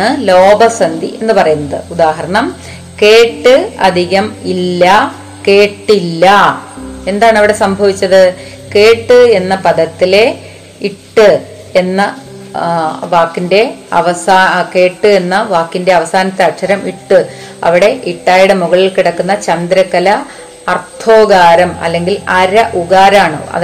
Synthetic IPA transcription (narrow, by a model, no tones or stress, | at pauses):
ɨlo̞ːbɐsɐnd̪ḭʔe̞nːɨpɐrɐjunːɐðɨud̪aːɦɐɾɐɳɐm | ke̞ːʈːɨɐ̰d̪ʱiɣɐmilːɐ | ke̞ːʈːilːɐ | e̞nd̪aːɳɨɐʋiɽe̞sɐmbʱɐʋit͡ɕːɐðɨ | ke̞ːʈːɨe̞nːɐpɐd̪ɐt̪ːile̞ | iʈːɨ | e̞nːɐ | ʋaːkːinde̞ɐ̰ʋɐsaːke̞ːʈːɨe̞nːɐʋaːkːinde̞ɐʋɐsaːnɐt̪ːɐɐʈʂɐɾɐmiʈːɨ | ɐ̰ʋiɽe̞ʔiʈːaːjiɽemuɣɐɭilkiɽɐkːunːɐt͡ɕɐnd̪ɾɐkːɐlɐ | ɐrt̪ʰoːɡaːɾɐmɐ̰lːe̞ŋɡilɐɾɐʔuɣaːɾaːɳɨ̰ɐ̰